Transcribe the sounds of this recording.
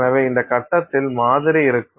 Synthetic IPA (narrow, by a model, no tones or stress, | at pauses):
nɐʋeːɪnd̪ɐkɐʈːɐt̪ːɪlmaːðɪɾiɪɾɯkːɯ